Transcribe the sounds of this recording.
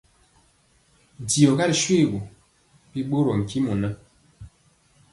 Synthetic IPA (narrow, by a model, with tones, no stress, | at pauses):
di˨ɔ˨ɣa˦ɾʃwi˦˨ɣo˨ | pi˦ɓo˦ɾɔ˨ŋ̩˨ki˦mu˨na˦